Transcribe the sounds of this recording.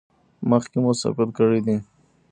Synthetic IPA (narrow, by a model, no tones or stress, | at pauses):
məxkemʊsa̰fɪt̪kəɽid̪i